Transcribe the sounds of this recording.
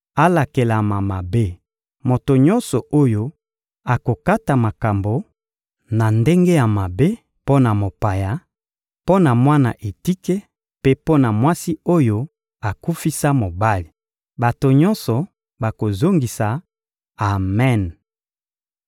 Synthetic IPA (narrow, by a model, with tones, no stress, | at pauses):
a˦la˨ke˨la˨ma˨ma˨be˦ | mo˨to˨ɲɔ̃˦nsɔ˨ʔo˦jo˦ | a˨ko˨ka˦ta˨ma˨ka˨mbo˨˦ | na˨nde˦ŋɡe˦ja˨ma˨be˦ | po˦na˨mo˨pa˨ja˨ | po˦na˨mwa˦na˨ʔe˨ti˦ke˦ | pe˦po˦na˨mwa˦si˦o˦jo˦ | a˨ku˦fi˦sa˦mo˨ba˦li˨ | ba˨to˨ɲɔ˦nsɔ˨ | ba˨ko˨zo˦ŋɡi˨saː˨ | mɛ˦˨n